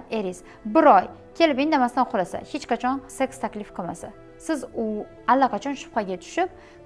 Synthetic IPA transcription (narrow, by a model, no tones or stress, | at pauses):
e̞ɾis | bɪɾɒj | kʲʰe̞lɪpend̪amast̪anqʰʊlasa̰het͡ʃqat͡ʃʰɒnse̞kst̪ʰakʲlɪfqʰɨlma̰sa | sɪzʊ | alːaqʰɑt͡ʃʰɒnʃʊ̥fχaɡʲat̪ʰʊ̥ʃɪp̚